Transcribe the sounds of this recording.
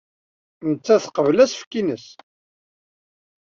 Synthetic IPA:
nət͡sːæθqəvlæsfkinəs

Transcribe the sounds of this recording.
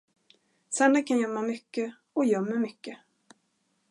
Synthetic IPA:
sand̪akʰanjœmːamʏkːə | ɔjœmːəmʏkːə

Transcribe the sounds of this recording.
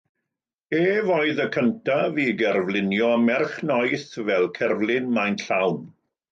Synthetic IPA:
eːvɔɨðəkʰəntʰaviɡɛrvlɪnjɔmɛrχnɔjθvɛlˠkʰɛrvlˠɪnmajnɬawn

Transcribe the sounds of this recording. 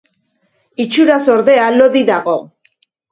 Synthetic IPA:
it͡ʃuɾaso̞ɾðe̞aloðiðaɣo̞

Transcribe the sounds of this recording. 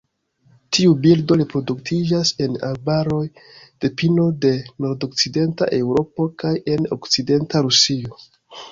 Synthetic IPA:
tʰiubildo̞ɾepɾo̞duktʰid͡ʒase̞na̰lbaɾo̞jd̥e̞pino̞de̞no̞ɾdo̞k̚t͡side̞nta̰ʔe̞wɾo̞po̞kaje̞no̞̰kt͡side̞ntaɾusio

